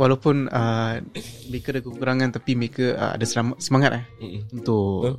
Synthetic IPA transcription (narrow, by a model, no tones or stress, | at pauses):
walapʊnə | məɾekaadakəkuɾaŋant̪apiməɾekəə̰a̰dasəlamat̪səmaŋat̪̚lahunt̪ʊ